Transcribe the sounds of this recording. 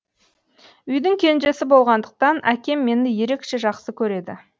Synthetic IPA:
ʏjd̪ɪŋkʲʰe̞nʒe̞sɪbo̞lˠʁɑnd̪əq̚t̪ɑnʔækʲe̞mːe̞nɪje̞ɾe̞kʃe̞ʒɑqsəkʲʰɵɾe̞d̪ɪ̰

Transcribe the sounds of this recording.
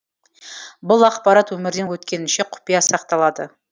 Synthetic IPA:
bʊlˠɑqpɑɾɑt̪wɵmɪɾd̪e̞nwɵt̪kʲe̞nɪnʃe̞qʰʊ̥pijɑsɑqt̪ɑlˠɑd̪ə

